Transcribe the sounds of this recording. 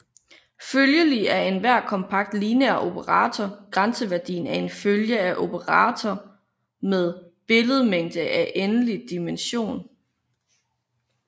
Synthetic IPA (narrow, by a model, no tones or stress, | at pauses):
føljəliæe̝nʋæɐ̰kʰɒ̽mpʰɑ̈ɡ̥̚d̥linæɐ̰ʔo̝pʰəʁɑ̰̈ːt͡sʰɒɡ̥ʁɑnsəʋæɐd̥ḭːnæe̝nføljəæʔo̝pʰəʁɑ̰̈ːt͡sʰɒ | með̞ˠb̥e̝ləð̞̩ˠmeŋ̰d̥əʔæʔenəlid̥imenɕo̝̰ːn